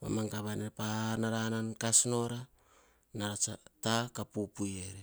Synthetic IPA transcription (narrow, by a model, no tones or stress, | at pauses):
pa̰maŋkaβanepanaɾanankasno̞ɾa | naɾat͡ʃatakapupujeɾe